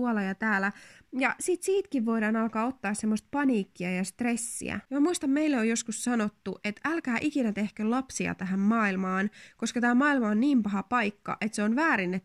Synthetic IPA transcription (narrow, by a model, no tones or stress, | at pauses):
uolɑjɑt̪æːlæjɑsiːt̪siːt̪kiʋʋoiɾɑːnɑlkɑːot̪ːɑːssemːost̪̚pɑniːkːiɑjɑst̪resːḭæ̰jmæmuist̪ɑmmeilːeojoskussɑnot̪ːuʔet̪ælkæːʔikinæt̪ehkølɑpsiɑ̰t̪æɦæmmɑːilmɑːnkoskɑt̪æːmɑːilmɑonniːmpɑɦɑpɑikːɑ̰ʔet̪seonʋæːɾinːet̪